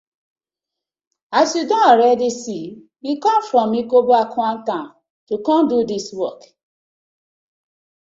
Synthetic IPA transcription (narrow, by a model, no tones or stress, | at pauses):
asjudɔ̃nɔɾɛdisi | wikɔ̃mfɾɔ̃mikoboakʰwãntãn | tukɔ̃ndudiswɔk